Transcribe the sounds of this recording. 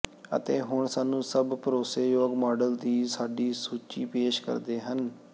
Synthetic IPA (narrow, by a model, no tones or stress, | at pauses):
ə̰t̪eːɦʊɳsaːnũːsəbpəɾoːseːjoːɡmɔːɖəld̪iːsaːɖiːsuːt͡ʃiːpeːʃkə̰ɾd̪eːɦən